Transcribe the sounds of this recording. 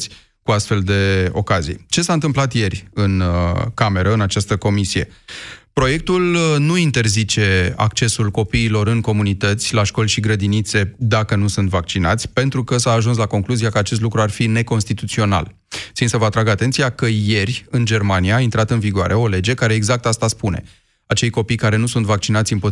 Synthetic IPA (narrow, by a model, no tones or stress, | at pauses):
sʲ | kuast̪fe̞ld̪e̞o̞̰kazḭjt͡ʃe̞saɨnt̪̬ɨmplat̪je̞rʲɨnkame̞ɾəɨnat͡ʃast̪əko̞misije̞̰pɾo̞je̞k̚t̪ulnuint̪e̞rzit͡ʃe̞a̰kt͡ʃe̞sulko̞piːlo̞ɾɨŋko̞munit̪ət̪sʲlaʃko̞lʲʃiɡɾəd̪init̪se̞d̪akənusunt̪vak̚t͡ʃina̰t̪sʲpe̞nt̪ɾukəsaːʒuns̬lako̞ŋkluziakəat͡ʃe̞s̬t̪lukɾuarfine̞ko̞nst̪it̪ut̪sio̞na̰l | sinsəvəat̪ɾaɡat̪e̞nt̪siakəje̞rʲɨnd͡ʒe̞rmanijaːint̪ɾat̪ɨnviɡoaɾʔe̞o̞le̞d͡ʒe̞kaɾeːɡzak̚t̪ast̪aspune̞̰ | at͡ʃe̞jko̞pijkaɾe̞nusunt̪vak̚t͡ʃinat̪sʲɨnpo